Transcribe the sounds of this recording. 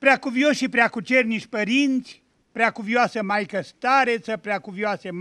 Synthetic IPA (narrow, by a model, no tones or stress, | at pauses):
pɾeakuvjoʃʃipɾeakut͡ʃerniʃʲpəɾint̪sʲ | pɾeakuvioasəmajkəst̪aɾet̪səpɾeakuvjoasem